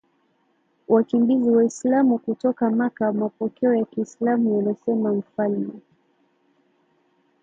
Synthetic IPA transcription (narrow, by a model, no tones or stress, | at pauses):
wʔakimbiziwaislamukutɔkamakamapɔkɛɔjakiːslamujanasɛmam̩falmɛ